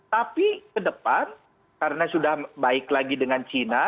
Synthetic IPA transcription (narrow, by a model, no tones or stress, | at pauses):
t̪apikədəpan | kaɾənasudahbaɪklaɡidəŋant͡ʃina